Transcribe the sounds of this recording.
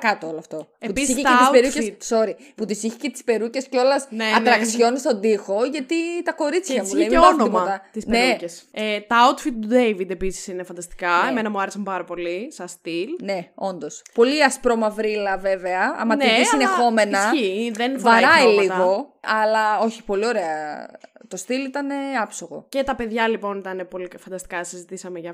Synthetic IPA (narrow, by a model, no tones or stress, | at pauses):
kɐt̪ooloɐft̪o̞peput̪issiçeespeɾuct̪so̞ɾi | put̪isiçi̥cet̪i̥spe̞ɾuce̞sco̞lɐsneɐɾɐksço̞nist̪o̞nd̪ixo̞ʝɐt̪it̪ɐko̞ɾit͡sçɐmueonoipoɐt̪ɐt̪isnneɾuceset̪ɐawt̪fit̪̚t̪ud̪ejvid̪episi̥sinefɐnd̪ɐst̪i̥kɐemenɐmuɐɾesɐmpɐɾɐpo̞lisɐst̪ilneo̞nd̪ospo̞liɐspɾo̞mɐvɾilɐve̞veɐɐ̰mɐniet̪isinexo̞me̞nɐsiðenvɐɾɐiliɐɣo̞ɐlɐo̞çipo̞lio̞ɾe̞ɐ | t̪o̞st̪ilit̪ɐne̞ɐpsoɣo̞̰ce̞t̪ɐpe̞ðʝɐlipo̞nit̪ɐne̞po̞lifɐnd̪ɐst̪i̥kɐsizit̪isɐmeʝɐ